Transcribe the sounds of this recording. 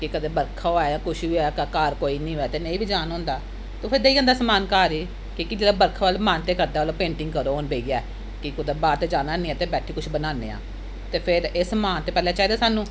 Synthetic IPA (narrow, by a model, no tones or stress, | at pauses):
kɪkəd̪eːbəɾkʰaoaːjãːkʊʃiɛːkaːkaːɾkoːiːnĩːɦoɛːt̪eːnəĩːbiːd͡ʒaːnõːnd̪aː | t̪oːpʰeɾd̪eːiːə̃nd̪aːsəmaːnkaːɾiː | kɪkɪd͡ʒeːɽaːbəɾkʰːʋalmaːnt̪eːkəɾd̪aːloːpẽːɳʈɪ̃ŋɡkəɾoːoːnbeːɡaː | kɪkʊd̪eːbaːɾt̪eːd͡ʒaːnaːnĩːɛ̃ːt̪eːbɛːʈʰiːkʊʃʰbənaːnḛːã̰ː | t̪eːpʰɪɾesəmaːnt̪eːpɛːlɛ̃ːt͡ʃaːiːd̪aːsaːnũː